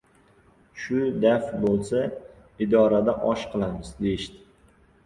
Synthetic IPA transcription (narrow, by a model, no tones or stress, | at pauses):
ʃʊd̪afbolˠsa | ɪd̪ɒɾad̪aʔɒʃqʰɨlˠamɪzd̪e̞jɪʃt̪ɪ̥